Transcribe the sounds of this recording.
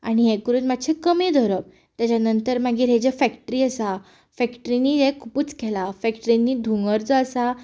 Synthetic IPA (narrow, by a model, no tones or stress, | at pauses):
a̰ɽ̃iɦɛ̃kəɾuːnmad̪ɕʰekəmed̪ʱoɾəp̚ | t̪jat͡ɕanənt̪əɾmaɡiːɾɦed͡ʑafækʈɾiːəsa | fɛkʈɾiniːekʰupuːt͡skʰɛlafɛkʈəɾinːiːd̪ʱuŋɡəɾd͡zəəsa